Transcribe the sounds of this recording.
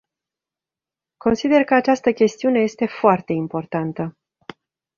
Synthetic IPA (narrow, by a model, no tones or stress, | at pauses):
ko̞nsid̪e̞rkəat͡ʃast̪əkʲe̞st̪iune̞je̞st̪e̞foart̪e̞impo̞rt̪ant̪ə